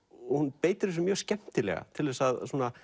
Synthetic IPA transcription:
ɔhunpeːjt̪ɪɾɛsʏmjœːɣscɛm̥t̪ɪlɛ̰ɣa̰t̪ʰɪlvɛsaðsuːna

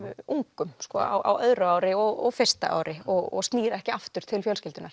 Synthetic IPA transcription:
uŋkʏmskɔa̰wʔa̰wœðɾʏaːwɾɪɔɣɔɣfe̥st̪a̰ʔa̰ːwɾɪɔɣɔ̰ɣst̪niːɾɛhcɪaft̪ʏɾ̥t̪ʰɪlfjœlscɪlt̪ʏnaɾ̥

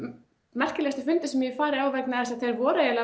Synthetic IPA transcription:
mɛr̥cɪlɛst̪ʏfʏnt̪ɪsɛmjɛfaːɾɪɾawvɛknaɛɾsaθejɾvɔːɾajɛla

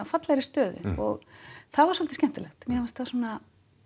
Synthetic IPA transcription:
afat̪laɾɪst̪œːðʏ̰ɔ̰ɣθavaɾsɔlt̪ɪscɛm̥t̪ɪlɛxt̪mjɛvast̪θasɔːna

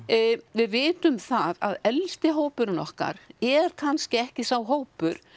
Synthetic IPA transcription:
vɪðvɪːt̪ʏmθaðaðɛlst̪ɪɦowpʏɾnɔhka̰ɾɛɾ̥kʰanscɪɛhcɪsawɦoːwpʏɾ̥

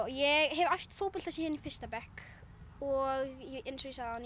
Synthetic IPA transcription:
jɛɣɦɛvajft̪foːwpɔl̥asɛːjɪnifɪst̪apɛhk | ɔɣjɛɪnsɔisaðan

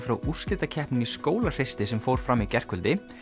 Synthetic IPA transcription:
fɾawʔur̥slɪt̪acʰɛhpnʏniskoːwlar̥ɪst̪ɪsɛmfoːwɾ̥fɾamːicɛr̥kʏlt̪ɪ

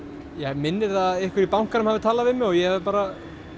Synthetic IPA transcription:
jɛmɪnːɪɾ̥θaɪhkʰvɪɾipawŋ̥kanʏmhavɪt̪ʰaːlavɪmɛɣɔɣjɛhɛvðɪpaːɾa

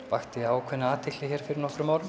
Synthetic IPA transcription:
vaht̪ɪaːwkʰvɛnaaːt̪ʰɪklɪçɛɾ̥fɪɾɪɾnɔhkɾʏmaːwɾɪ

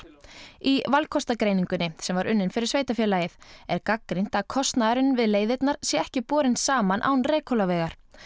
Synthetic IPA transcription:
ivalkʰɔst̪akɾeːjniŋkʏnːɪsɛmvaɾʏnːɪnfɪɾɪɾ̥sveːjt̪afjɛːlaːjɪθɛɾkakːɾin̥t̪akʰɔst̪naðaɾʏnvɪðleːjðɪt̪naɾ̥sjɛɛhcɪpɔːɾɪnsaːmanʔa̰wnrɛːkʰɔlavɛːɣaɾ̥

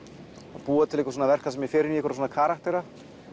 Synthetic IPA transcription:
apuːat̪ʰɪlehkvasoːnavɛr̥kasɛmjɛfɪːɾɪniɛkaɾsoːnakʰaːɾakt̪ɛɾa

